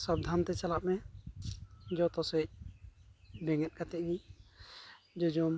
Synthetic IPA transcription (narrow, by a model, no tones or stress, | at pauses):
sab̚d̪ʱant̪ɛt͡ʃalap̚mɛ | d͡ʒɔt̪ɔsɛc̚ | bɛŋɛt̪̚ˀkat̪ɛʔni | d͡ʒɔd͡ʒɔm